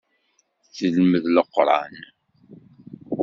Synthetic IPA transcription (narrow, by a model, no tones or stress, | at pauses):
θəlməðləqːɾˤɑ̰n